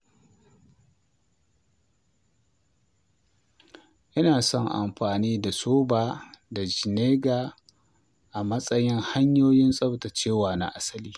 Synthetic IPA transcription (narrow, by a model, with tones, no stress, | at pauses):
ʔɪ˦naː˨sɔ˦˨ŋʔa̰˨mɸaː˨niː˦da˨soː˦baː˨da˨d͡ʒɪ˨neː˦ɡaː˨ | ʔa˨mɐ˦sʼɐ˦jɪ˦ŋha˦ɲjoː˦jɪ˦nsʼɐ˦bta˨t͡ʃeː˦˨waː˨na̰˨ʔa˦sɐ˦liː˦